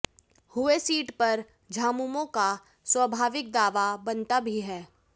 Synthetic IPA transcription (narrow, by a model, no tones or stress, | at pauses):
hʊesiːʈpɐɾ | d͡ʒʱaːmumõka | swəbʱaːʋɪk̚d̪aːʋabɐ̃nt̪abʱiɦɛː